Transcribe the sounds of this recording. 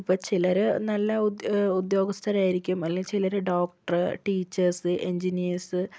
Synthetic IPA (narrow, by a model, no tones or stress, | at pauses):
ipːoːt͡ɕilɐɾenɐlːɐud̪jo̞ːɡɐst̪ʰɐɾaːjiɾikʲːumɐlːeŋt͡ɕilɐɾeɖoːk̚ʈɐrɨʈiːt͡ɕːɐrsɨʔeɲd͡ʑiniɐːɾsɨ